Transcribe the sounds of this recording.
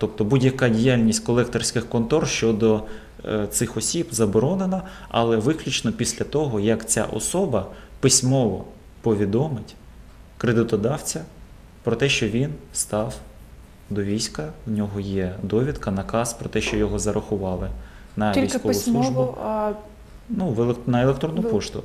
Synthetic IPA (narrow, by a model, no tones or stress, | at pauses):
t̪ɔp̚t̪ɔbudʲjɐkɑdʲijalʲnʲisʲtʲkɔlˠɛkt̪ɔrsʲkɪxkɔnt̪ɔrʃt͡ʃɔd̪ɔ | t̪sɪxɔsʲibzɐbɔɾɔnenɐ | ɐ̰lˠɛʋɪklʲut͡ʃnɔpʲisʲlʲɐt̪ɔɦɔjɐkt͡sʲa̰ʔɔ̰sɔbɐ | pɪsʲmɔʋɔ̰ | pɔʋʲid̪ɔmɪtʲ | kɾed̪ɪt̪ɔd̪ɑwt͡sʲɐ | pɾɔt̪ɛʃt͡ʃɔʋʲinst̪ɑw | d̪ɔʋʲijsʲkɐwnʲɔɦɔjɛd̪ɔʋʲit̪kɐnɐkɑspɾɔt̪ɛʃt͡ʃɔjɔɦɔzɐɾʔɐxʊʋɑlˠɪ | nɐmiijskɔʋʊsˠuʒbʊ | nuʋnɐelˠek̚t̪ɾɔnːʊpɔʃt̪ʊ̰